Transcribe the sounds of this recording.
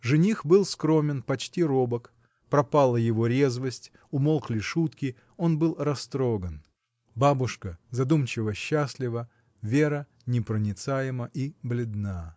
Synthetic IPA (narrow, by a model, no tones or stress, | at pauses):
ʐɨnʲixbɨlˠskɾo̞mʲɪnpɐt͡ɕtʲiɾobək | pɾɐpalˠəjɪvo̞ɾʲezvəsʲtʲ | ʊmolˠklʲɪʂut̪kʲɪ | o̞nbɨlˠrɐst̪ɾoɡən | babʊʂkəzɐd̪umt͡ɕɪvəɕːasʲlʲɪvə | vʲe̞ɾə | nʲɪpɾənʲɪt̪sajɪməʔiblʲɪd̪̚na